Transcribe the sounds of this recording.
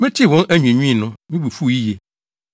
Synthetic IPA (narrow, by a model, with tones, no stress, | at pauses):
mɪ̃˦tʰi˦˨wɔ̃˦næ˦ɲᶣũ˨ɲĩ˦ĩ˦˨nʊ̃˦mĩ˦bu˨fu˦˨ji˦je˨